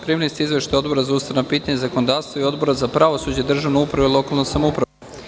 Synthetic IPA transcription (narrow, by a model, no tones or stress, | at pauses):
pɾimlist̪iizʋeʃt̪ajo̞d̪bo̞ɾazaust̪anapiːt̪aɲezakonod̪aːʋst̪voijo̞d̪bo̞ɾazapɾaʋo̞sud͡ʑeid̪r̩ʒaʋnoupɾaʋeilo̞kalˠnosamoupɾa